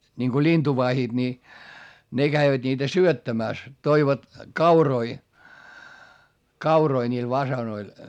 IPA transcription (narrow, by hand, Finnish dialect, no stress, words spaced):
niŋko lintuʋɑhid̥ ni ne ɡ̊æiʋæd̥ niːtæ syøtːæmæˑs toiʋɑt kɑuroi kɑuroi nʲiːl ʋɑsɑnoil